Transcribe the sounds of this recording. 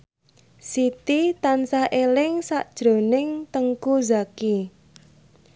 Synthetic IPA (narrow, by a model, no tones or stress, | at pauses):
sit̪it̪ansaʔelɪŋsaʔd̥ʒ̥ɾo̤nɪŋt̪əŋkuzaki